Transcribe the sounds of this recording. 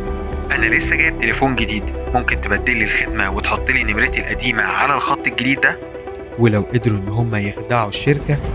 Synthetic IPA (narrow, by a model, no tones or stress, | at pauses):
ʔænælesːæɡæːjeb̚t̪elefuːnɡed̪iːd̪momkent̪ebæd̪ːelːilxed̪mæwet̪ħot̪ˤːeliːnːemɾæt̪ilʔæd̪iːmæʕalælxɑt̪ˤːelɡed̪iːd̪ːæ | welæwʔed̪ɾuʔenːɦomːæjexd̪aʕuʃːeɾkæ